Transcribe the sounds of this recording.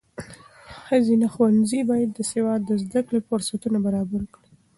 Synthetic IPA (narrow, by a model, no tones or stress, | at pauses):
xəzinaxwanzibɑjad̪ːəsewɑd̪ːəzd̪aklefʊɾsat̪unabaɾɑbaɾkɽi